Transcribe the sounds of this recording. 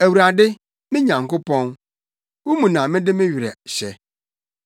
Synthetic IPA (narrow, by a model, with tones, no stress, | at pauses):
æ˨wu˨ɾa˨dɪ˦ | mɪ̃˦ɲã˨ŋ̩˨kʊ˦pɔ̃˦n | wu˦mũ˨nã˨mɪ̃˦dɪ˦mɪ̃˦ɥɪ˨ɾɛ˨ɕɛ˨